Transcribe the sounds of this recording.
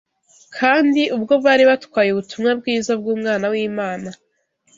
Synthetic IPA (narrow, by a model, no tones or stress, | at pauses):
kʰaːndiʔubɡo̞bβaːɾiβatwaːjuβutumŋab̚ɡiːzab̚ɡuːmŋaːnawiːmaːna